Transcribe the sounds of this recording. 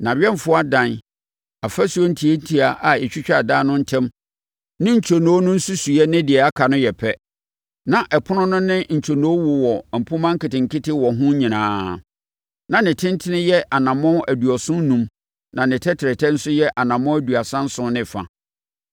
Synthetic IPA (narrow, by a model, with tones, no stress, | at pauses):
nã˨ɥɛ˦m˨fʊ˦a˦dã˨n | a˨fæ˦su˦ɔ˦n̩˦tʰi˨e˦tʰi˨a˨ʔa˨ɛ˨t͡ɕᶣi˦t͡ɕᶣa˦˨daː˦nʊ̃˦n̩˦tʰɛ̃˦m | nɪ̃˦ɲ̩˨t͡ɕʰo˨nõ˨˦nʊ̃˦n̩˦su˦su˨ɛ˦nɪ̃˦dɪ˨ɛ˨a˦kʰa˨nʊ̃˦jɛ˨pʰɛ˦ | nã˨ʔɛ˨pʰʊ˦nʊ̃˦nʊ̃˦nɪ̃˦ɲ̩˨t͡ɕʰo˨nõ˨˦o˦wʊ˨wɔ˨m̩˨pʰũ˦mã˦ŋ̩˦kɪ˨tɪ̃˨ŋ̩˨kʰɪ˦tɪ˦wɔ˨ɦʊ̃˦ɲĩ˨nãː˨˦ | nã˨nɪ̃˨tʰɪ̃˦n˦tʰɪ˦nɪ̃˦jɛ˦ʔa˨nã˨mɔ̃˦æ˨du˨ɔ˨sʊ̃˦n˦nũ˨m | nã˨nɪ̃˨tʰɛ˦tʰɪ˨ɾɪ˨tʰɛ˦n̩˦sʊ˦jɛ˦ʔa˨nã˨mɔ̃˦æ˦du˨a˨sã˦n̩˦sʊ̃˦nɪ̃˦fa̰˨